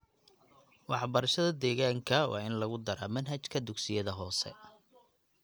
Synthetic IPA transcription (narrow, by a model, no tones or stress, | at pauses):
wɑħbɐɾɐʃɐðɐd̪ɛːɣaːŋkʰɐwʔɑ̰ːɪnlɐɣʊd̪ɐɾaːmɐnɦɐt͡ʃkʰɐd̪ʊɡsɪjɐðɐɦɔːsɛ̰